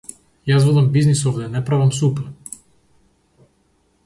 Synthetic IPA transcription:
jaszvɛd̪ambiznisɔvd̪ɛnɛpɾavamsupɛɾ

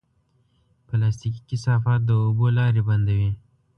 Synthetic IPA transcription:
pəlast̪iki̥kɪsɑfɑt̪̚d̪əobolɑɾebɐnd̪awi

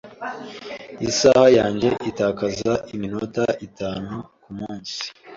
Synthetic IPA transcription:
isahajaːɲɟe̞ʔitaːkazaʔimino̞taʔitaːnu | kumuːnsi̥

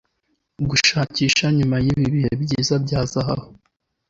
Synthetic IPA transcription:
ɡuʃaːciːʃaɲumajiβiβihebɟiːzabɟaːzaɦaho

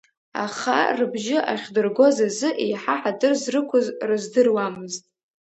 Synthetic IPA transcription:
a̰χa̰rɨbʒɪʔaχʲdɨrɡʷo̞zazɨʔejħaħadɨrzrɨkʷʰʊzrɨzdɨrwamɨztʼ

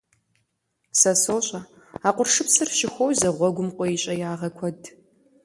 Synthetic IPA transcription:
sɐsoːɕʼɐ | aːqʷʊrʂɨpsɨrʃɪxʷɔwzɐʁʷɔɡʷʊmqʷʼɔjiɕʼɐjaːʁɐkʷʰɔd

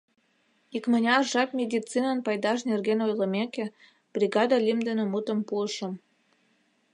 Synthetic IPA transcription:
ikmə̆nʲɑrʒɑkmʲed̪ʲit͡sinənpɑjd̪ɑʃnerɣenojlə̆meke | b̥rʲiɡɑd̪ɑlʲimd̪ə̆nə̆mut̪ə̆mpuəʃə̆m

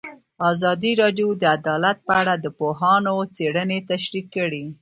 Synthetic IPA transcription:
ɑzɑd̪iɾɑɖjod̪əad̪ɑlat̪̚pəaɽad̪əpoɦɑnot͡seɽənet̪aʃɾikːəɽi

